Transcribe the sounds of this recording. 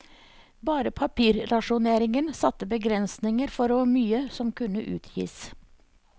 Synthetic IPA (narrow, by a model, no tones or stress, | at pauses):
bɑːɾəpʰɑpʰiːɾɾɑʃʊneːɾɪŋənsɑt̪ːəbəɡɾɛnsnɪŋəɾfɔɾoːmyːəsɔmkʉnəʔʉ̰ːt̪ʰjḭːs